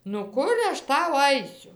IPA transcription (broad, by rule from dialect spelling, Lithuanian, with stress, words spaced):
nʊ ˈkʊr ɐʃ ˈtɐʊ ˈɐɪsʲʊ